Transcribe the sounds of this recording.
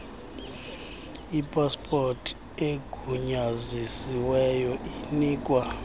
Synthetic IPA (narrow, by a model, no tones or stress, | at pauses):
ipʼaspʰʼortʰʼ | eɡ̥ʱuɲazisiwɛjɔiniːkʼwa